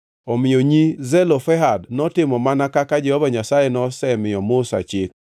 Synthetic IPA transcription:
ɔmɪjoɲizɛlofɛɦadnɔtɪmɔmanakakad͡ʒɛhɔvaɲasajenɔsɛmɪɔmʊsa̰t͡ʃɪk̚

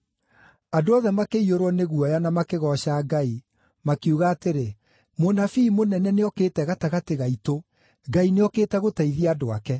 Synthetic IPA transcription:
andoɔðɛmakeioɾwɔneɣuɔjanamakeɣɔɕaɡai | makeuɣaːteɾe | monafiːmonɛnɛneɔkeːtɛɣataɣateɣaito | ɡaineɔkeːtɛɣotaiðiadoa̰kɛ

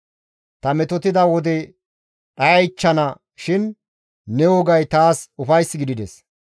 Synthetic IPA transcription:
t̪ɐmɛt̪ɔt̪ɪd̪ɐwɔd̪ɛ | ɗɐjɐjt͡ʃːɐnɐ | ʃɪn | nɛwɔɡɐjt̪aːsʊfɐjsːɪɡɪd̪ɪd̪ɛs

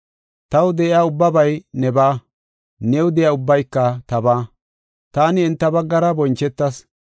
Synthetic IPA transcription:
t̪ɐwd̪ɛʔɪaːʊbːɐbɐjnɛbaː | nɛwd̪ɛjaːʊbːɐjkːɐt̪ɐbaː | t̪aːnɪɛnt̪ːɐbɐɡːɐɾɐbɔnt͡ʃːɛt̪ːɐs

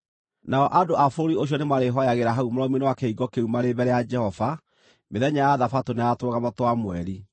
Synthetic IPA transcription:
naɔʔadoafoɾioɕ̬jɔnemaɾeɦɔjaɣeɾaɦaumoɾɔminewakeiɡɔkeumaɾeβɛɾɛjad͡ʒɛhɔva | meðɛɲajaðafatoneatwoɣamɔtwamwɛɾi

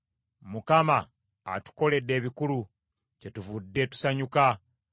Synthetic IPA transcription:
mukama̰ː | tu̥ko̞le̞dːe̞ːβikulu | ce̞tuvudːe̞ːtu̥saɲuka

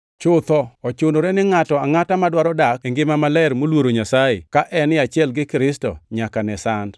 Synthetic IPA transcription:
t͡ʃʊt̪ɔɔt͡ʃonoɾɛnɪŋatɔaŋatamadwaɾɔdakeŋɡɪmamalɛɾmolwoɾoɲasajɪ̰kaʔɛnɪat͡ʃɪɛlɡɪkɾɪstɔ̰ɲakanɛsand

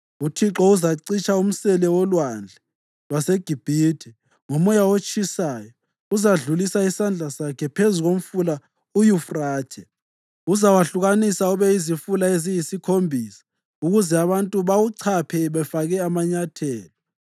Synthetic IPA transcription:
utʰiǁɔuzaǀit͡ʃʰʼaum̩sɛlɛwɔlwand͡ɮʱɛ | waseɡ̥ʱib̥ʱitʰɛ | ŋɔmɔjawot͡ʃʰʼisaːjɔ | uzaɮulisaisand͡ɮʱasakʰɛpʰezuɣom̩fula | ujufraːtʰɛ | uzawaɬuɣanisauβɛizifulaezijisikʰombʱiːsḁ | uɣuzɛaβantʼuβawuǀʰapʰɛβɛfaɣɛamaɲatʰɛːlɔ

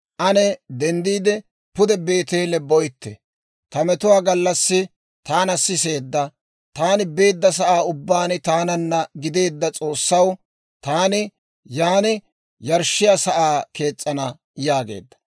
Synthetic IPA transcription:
ʔɐnɛd̪ɛnd̪iːd̪ɛ | pʊd̪ɛbe̞ːt̪e̞ːlɛbɔjt̪ːɛ̰ | t̪ɐmɛt̪ʊwaːɡɐlːɐsːɪ | t̪aːnɐsːɪse̞ːd̪ːɐ | t̪aːnɪbe̞ːd̪ːɐs̬ɐʔaːʊbːaːnɪt̪aːnɐnːɐɡɪd̪e̞ːd̪ːɐt͡sʼo̞ːsːɐw | t̪aːnɪ | jaːnɪ | jɐɾʃːɪjasɐʔaːke̞ːt͡sʼːɐnɐ | jaːɡḛːd̪ːɐ̥

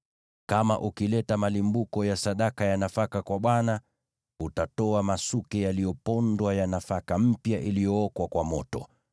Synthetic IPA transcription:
kama̰ʔukilɛtamalimbukɔjasaɗakajanafakakwaɓwana | utatɔamasukɛjalijɔpɔndwajanafakam̩pjaʔilijɔɔkwakwamɔtɔ̰

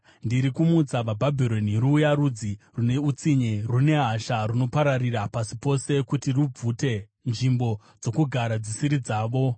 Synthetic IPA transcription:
ndiɾikumut͡saʋabʱabʱiɾo̞niruːjaɾud͡zi | rune̞ut͡siɲerune̞ɦaʃaruno̞paɾariɾapasipo̞se̞kutirub͡vute̞ | nʐimbo̞ | d͡zo̞kuɡʱaɾad͡zisiɾid͡zaːʋo̞

